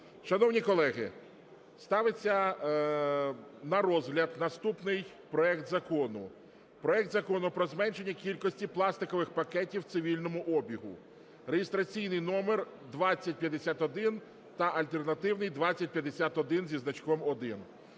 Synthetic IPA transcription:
ʃɐnɔwnʲikɔlˠɛɦɪ | st̪ɑʋet͡sʲːɐ | nɐɾɔzɦlʲɐd̪nɐst̪upnɪj | pɾɔɛkt̪zɐkɔnʊ | pɾɔɛk̚t̪zɐkɔnʊpɾɔzmɛnʃe̞nʲːɐkʲilʲkɔsʲtʲiplˠɑst̪ɪkɔʋɪxpɐkɛtʲiwt̪sɪʋʲilʲnɔmʊʔɔbʲiɦʊ̰ | rejest̪ɾɐt͡sʲijnɪjnɔmer | d̪ʋɑt͡sʲːɐt̚ʲpʲjɐd̪esʲat̪ɔd̪ɪn | t̪ɐʔɐlʲt̪ernɐt̪ɪwnɪjd̪ʋat͡sʲːɐt̚ʲpjɐd̪esʲat̪ɔd̪ɪnzʲiznɐt͡ʃkɔmɔd̪ɪn

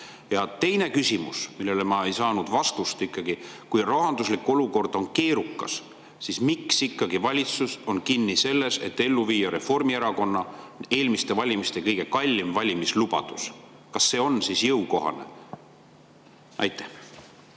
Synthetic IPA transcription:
jɑt̪e̞jne̞kysʲimṵsmilːe̞lemɑe̞jsɑːnud̪̥vɑst̪ust̪ikˑːɑɡ̥ikujroɦɑnd̪̥uslikːˑo̞luko̞rd̪̥o̞nke̞ːɾukːˑɑ̰s | sismiksikːɑɡivɑlʲit̪suso̞nkinːise̞lːe̞se̞̰t̪ːe̞lːuviːjɑɾe̞fo̞rmieɾɑko̞nːɑne̞ːlmist̪e̞vɑlʲimist̪e̞kɤjɡ̥e̞kɑlʲːimvɑlʲimislub̥ɑ̰d̪̥us | kɑsːe̞ːo̞nsisjɤwko̞ɦɑ̰ne̞̰ | ʔɑ̰jt̪ːˑæh

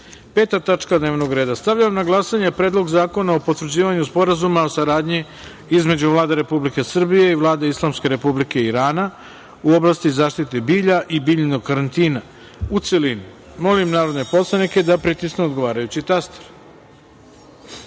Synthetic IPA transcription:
peːt̪at̪at͡ʃkad̪ne̞ːʋno̞ɡɾeːd̪ast̪aʋʎaʋamnaɡlˠasaɲe̞pɾe̞ːd̪lˠo̞ɡzaːko̞naopo̞t̪ʋr̩d͡ʑiːʋaɲuspo̞ɾazumaosaɾaːd̪ɲi | izme̞d͡ʑuʋlˠaːd̪eɾe̞publike̞sr̩bije̞iʋlˠaːd̪eislˠamske̞ɾe̞publike̞iɾaːna | uoblˠast̪izaːʃt̪it̪ebiːʎaʔibiːʎnoɡkaɾant̪iːna | ut̪selinu | mo̞limnaːɾo̞d̪ne̞po̞slˠanike̞d̪apɾit̪isneod̪ɡo̞ʋaːɾajut͡ɕit̪ast̪e̥ɾ

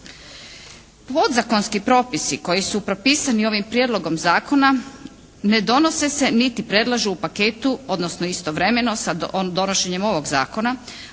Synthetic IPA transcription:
po̞d̪zako̞nskipɾo̞ːpisiko̞jisupɾo̞piːsanio̞ːʋimpɾjed̪lo̞ɡo̞mzaːko̞na | ne̞d̪o̞no̞se̞se̞nit̪ipɾe̞d̪lˠaʒuupake̞ːt̪uo̞d̪nosnoist̪o̞ʋɾe̞me̞no̞sad̪o̞noʃe̞ɲe̞mo̞ʋo̞ɡza̰ːko̞na

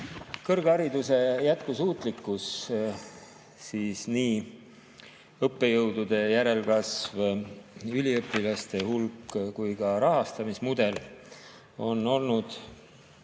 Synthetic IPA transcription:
kɤrɡ̥ɑɾid̪use̞jæt̪kusuːt̪ˑlikːˑus | siːsniː | ɤpːe̞jɤwd̪̥ud̪̥e̞jæɾe̞lkɑsv | ylʲiɤpːˑilɑst̪e̞hulkːˑkujkɑɾɑɦɑst̪ɑmismud̪̥e̞l | o̞nːo̞lnud̪̥

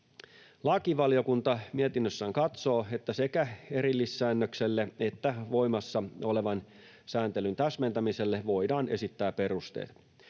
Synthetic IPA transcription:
lɑkiʋɑlio̞kunt̪ɑmiet̪inːøsːæːŋkɑt̪so̞ːe̞t̪ːæse̞kæe̞ɾilːisːæːnːøkselːeet̪ːæʋo̞imɑsːɑole̞ʋɑn | sæːnt̪elynt̪æsme̞nt̪æmise̞lːeʋo̞jdɑːnʔe̞sit̪ːæːpe̞ɾust̪ḛːt̪

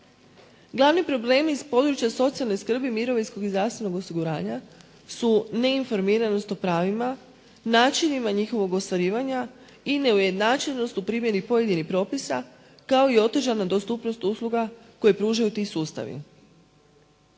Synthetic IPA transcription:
ɡlˠaʋnipɾo̞ble̞ːmiːspo̞d̪ɾut͡ʃjaso̞t̪sialno̞jskr̩bimiɾo̞ʋinsko̞ɡizɾaʋst̪ʋe̞no̞ɡo̞siɡuɾaːɲa | sune̞info̞ɾmiːɾano̞st̪o̞pɾaːʋima | naːt͡ʃinimaɲixo̞ʋo̞ɡost̪ʋaɾiːʋaɲa | ine̞uje̞d̪naːt͡ʃeʎno̞st̪upɾiːmje̞ɾipo̞je̞d̪inixpɾo̞ːpisa | kao̞io̞t̪ʒanad̪ost̪upno̞st̪uslˠuɡako̞jepɾuːʒajut̪isuːst̪a̰ʋḭ

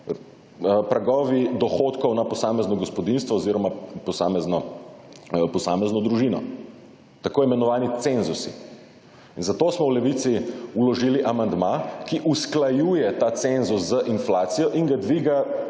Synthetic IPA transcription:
pɾaɡɔːʋid̪ɔxoːt̪kɔwnapɔsaːmɛznɔɡɔspɔd̪inst̪ʋɔːziːɾɔmapɔsaːmɛznɔ | pɔsa̰ːmɛznɔd̪ɾuʒinɔ̰ | t̪akoːɛmɛnɔʋaːnit̪senzusḭ | inzat̪oːsmɔwlɛʋit̪siulɔʒiːliʔamand̪makiʔusklajuːjɛt̪aːt̪senzuszəʔinflaːt̪sijɔʔiŋɡad̪ʋiɡa

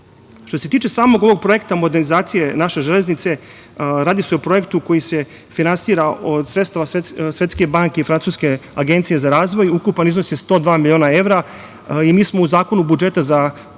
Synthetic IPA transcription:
ʃt̪o̞se̞t̪iːt͡ʃe̞saːmo̞ɡo̞ʋo̞ɡ̚pɾo̞jekt̪amo̞d̪eɾnizaːt̪sije̞naʃe̞ʒele̞znit̪se̞ | ɾaːd̪iseopɾo̞je̞kt̪uko̞jise̞ | finansiɾaʔod̪sɾet̪st̪aʋasesʋe̞t̪ske̞baŋkeifɾant̪suːske̞aɡe̞nt̪sije̞zaɾaːzʋo̞jukupanizno̞sest̪o̞ːd̪ʋaːmilʲjio̞ːnae̞vɾa | imiːsmouzaːko̞nubud͡ʒe̞t̪aza

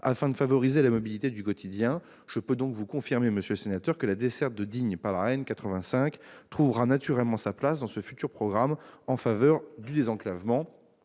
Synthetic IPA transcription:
a̰fɛ̃d̪əfavɔʁizelamɔbilit̪ed̪ykɔt̪ʰid̪jɛ̃ | ʒ̥əpød̪ɔ̃kvukɔ̃fiʁmeməsjøləsenat̪œʁkəlad̪esɛʁt̪̚d̪əd̪iɲpaʁlaʁɛnkat̪χəvɛ̃sɛ̃kt̪χuvʁanat̪yʁɛlmɑ̃saplasd̪ɑ̃səfyt̪yʁpχɔɡʁamɑ̃favœʁd̪yd̪ezɑ̃klavmɑ̃

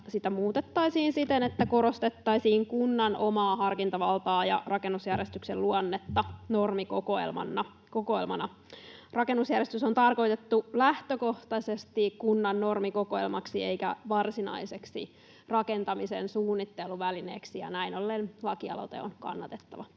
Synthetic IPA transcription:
sit̪æmuːt̪et̪ːɑisiːnsit̪enet̪ːæko̞ɾo̞st̪et̪ːɑisiːŋkunːɑnʔo̞mɑːɦɑrkint̪ɑʋɑlt̪ɑːjɑ̰rɑkenːusjærjest̪ykselluonːet̪ːɑnormikokoḛlmɑ̰nːɑ | kokoelmɑnɑ | rɑkenːusjærjest̪ysont̪ɑrko̞it̪et̪ːulæht̪øko̞ht̪ɑsest̪ikunːɑnːo̞rmiko̞koelmɑksieijkæ̰ʋɑrsinɑ̰iseksḭ | rɑkent̪ɑmisḛnsuːnːit̪ːeluʋælineːksijɑ̰næinolːenlɑkiɑ̰lo̰t̪ḛo̰nkɑ̰nːɑt̪et̪ːɑʋɑ

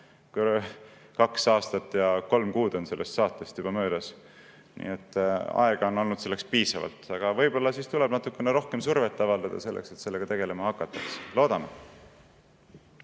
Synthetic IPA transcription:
k | kɑksɑːst̪ɑt̪ːˑjɑko̞lmkuːd̪̥o̞nse̞lːʔest̪sɑːt̪ːˑest̪jub̥ɑmø̞ːd̪ɑs | nḭːet̪ːˑɑ̰eɡ̥ɑo̞no̞lnud̪̥se̞lːe̞kspiːsɑvɑ̰lt̪ɑɡ̥ɑvɤjb̥o̞lːɑsist̪uleb̥nɑt̪ːˑukːˑe̞neɾo̞hke̞msurve̞t̪ːˑɑvɑld̪ɑd̪̥ɑ̰se̞lːʔekset̪se̞lːe̞ɡɑt̪e̞ɡ̥e̞le̞mɑhɑkːˑɑt̪ːˑɑkslo̞ːd̪̥ɑm

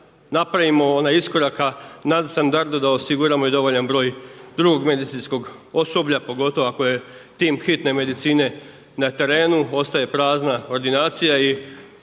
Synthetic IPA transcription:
napɾaʋimo̞onaisko̞ɾakanad̪st̪and̪aɾd̪ud̪aosiɡuɾamo̞id̪o̞ʋo̞ʎanbɾo̞ːjd̪ɾuɡo̞ɡme̞d̪it̪sinsko̞ɡo̞so̞bʎapo̞ɡo̞t̪o̞ʋoako̞je̞ | t̪iːmxit̪ne̞me̞d̪it̪siːne̞ | nat̪e̞ɾe̞ːnuo̞st̪aje̞pɾaːznao̞ɾd̪inaːt̪sijai

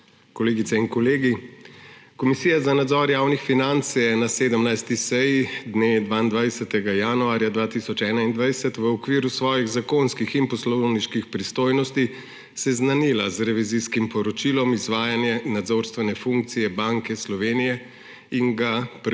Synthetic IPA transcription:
kɔleːɡit̪sɛinkɔleːɡi | kɔmisiːjazanad̪zɔːɾjaːwnixfinant̪sjɛnaseːd̪əmnajst̪isɛjid̪ned̪ʋaːind̪ʋajsɛt̪ɛɡajanuaːɾjad̪ʋaːt̪isɔt͡ʃɛːnaind̪ʋajsɛt̪ʋəɔkʋiːɾusʋɔːjiɣzakonskixinpɔslɔwniʃkixpɾist̪oːjnɔst̪i | sɛznaniːlazɾɛʋiziskimpɔɾɔt͡ʃilɔmizʋaːjanjɛnad̪zoːɾst̪ʋɛnɛfuŋk̚t̪sijɛbaŋkɛslɔʋeːnijɛ | iŋɡap

